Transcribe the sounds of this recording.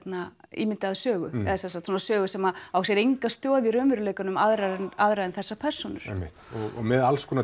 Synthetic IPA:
t̪naḭːmɪnt̪ɪaðsœːɣʏɛ̰ðasɛnsakt̪sɔnasœːɣʏsɛmaawsjɛɾejŋkast̪jɔːðiɾʏːmʏɾʏleːjkʏnʏmaðɾaðɛnaðɾajðɛnθɛsːapʰɛr̥sɔnʏɾɛ̰mːɪ̰ht̪ɔɣɔ̰ɣmɛðalskʰɔːna

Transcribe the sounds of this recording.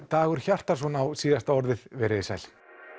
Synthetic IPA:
t̪aːɣʏɾ̥çar̥t̪aɾ̥ɔnawsiːðast̪aɔɾðɪðvɛɾɪðɪsa̰jl̥

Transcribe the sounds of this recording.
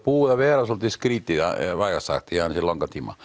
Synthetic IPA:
puːjɑʋeːrɑsolt̪ːiskriːt̪ːijɑʋɑikɑsːɑ̰kt̪ːihɑnsilːoŋkɑt̪imɑ̰

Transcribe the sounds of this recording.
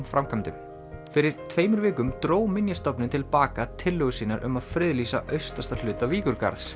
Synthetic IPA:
nfɾamkʰamt̪ʏm | fɪɾɪɾ̥t̪ʰv̥eːjmʏɾvɪːkʏmt̪ɾoːwmɪnjast̪ɔpnɪnt̪ʰɪlpaːkat̪ʰɪlːœɣʏsiːnaɾʔʏ̰maðfɾɪðliːsaʔœɥst̪ast̪al̥ʏːt̪aviːkʏɾka̰ɾðs

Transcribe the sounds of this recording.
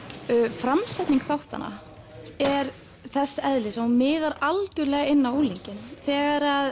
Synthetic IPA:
fɾamsɛt̪niŋkθawht̪a̰na̰ | ɛɾ | θɛsːɛðlɪsamɪːðaɾalcʏɾlɛːɣaɪnːauliɲcɪnθɛːɣaɾað

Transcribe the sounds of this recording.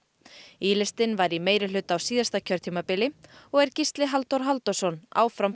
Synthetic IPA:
iːlɪst̪ɪnvajɾimeːjɾɪlʏt̪awsiːðast̪acʰœɾ̥t̪ʰiːmapɪlɪɔɣɛɾ̥cist̪lɪɦalt̪ɔwɾ̥ɦalt̪ɔsɔna̰ːwfɾam

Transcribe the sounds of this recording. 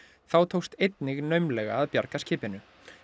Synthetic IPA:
θawt̪ʰowst̪ejt̪nɪɣnœɥmlɛɣa̰ːðpjaɾkascʰɪːpɪnʏ

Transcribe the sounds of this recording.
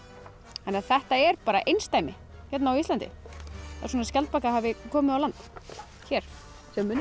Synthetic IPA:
ɛnaθɛht̪aɛɾpaːɾa̰ʔejnst̪aːjmɪ | çɛt̪nawist̪lant̪ɪ̰a̰̥sɔːnascɛlt̪̚pakahaːvɪkʰɔːmɪawlant̪ | çɛːɾ̥ | sɛmːʏ

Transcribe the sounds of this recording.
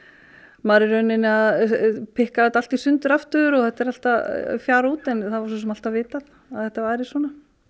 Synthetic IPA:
maːɾɪɾœɥnɪnɪaðpʰɪhkaðat̪alt̪isʏnt̪ʏɾaft̪ʏðʏɾɔɣθɛht̪ɛɾal̥t̪afjaːɾauːt̪ɛnθaðvaɾsɔs̬ɛmal̥t̪avɪːt̪að | aðθɛht̪avaːjɾɪsɔːna

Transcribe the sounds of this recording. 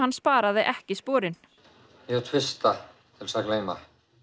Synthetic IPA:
hanːspaːɾaðɪʔɛhcɪspɔːɾɪn | jɛt̪ʰvɪst̪a | t̪ʰɪlsakleːjma̰

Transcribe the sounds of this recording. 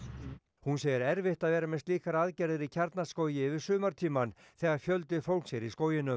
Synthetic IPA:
hunseːjɪɾɛɾvɪht̪aðvɛːɾamɛnst̪liːkaɾaːðcɛɾðɪɾicʰaɾt̪naskoːwjɪvɪɾ̥sʏːmaɾt̪ʰiːman | θɛːɣaɾ̥fjœlt̪ɪfowl̥ksjɛɾiskoːwjɪnʏ

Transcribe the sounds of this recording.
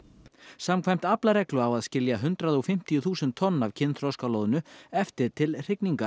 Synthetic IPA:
samkʰvajm̥t̪aplaɾɛklʏawaðscɪljaɦʏnt̪ɾaðɔɣfɪm̥t̪ijʏθuːsɛnt̪ʰːɔnːavcʰɪnːθɾɔwskalɔðʏnʏɛft̪ɪɾ̥t̪ʰɪlr̥ɪkniŋkḁ

